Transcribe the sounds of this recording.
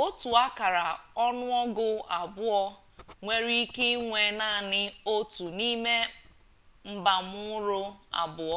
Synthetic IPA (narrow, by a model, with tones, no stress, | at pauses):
o˦tu˨a˦ka˨ɾa˨ɔ˦nʊ˦ɔ˦ɡʊ˦a˨bʊ˦ɔ˦ | ŋʷe˦ɾi˦i˦ke˦ŋʷe˨na˦˨nɪ˦o˦tu˨ni˦me˦ | m̩˦ba˨mʊ˦ɾʊ˦a̰˨bʊ˨ɔ˦